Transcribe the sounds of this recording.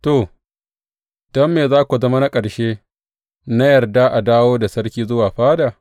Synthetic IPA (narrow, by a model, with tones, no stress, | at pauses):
to˨ | d̥ɔ˦mːeː˨zaː˦kʷu˨zɐ˦ma˦na˦kʼɐ˨ɽʃeː˦ | na˦jɐ˨rda˦ʔa˨daː˦woː˦da˨sɐ˦ɽkʲiː˦zʊ˦waː˨ɸaː˦daː˨